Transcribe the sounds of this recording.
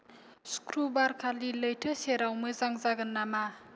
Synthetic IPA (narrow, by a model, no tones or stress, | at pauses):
skʰɾubaɾkʰaliləjtʰɯseɾawmɯzaŋzaɡɯnːama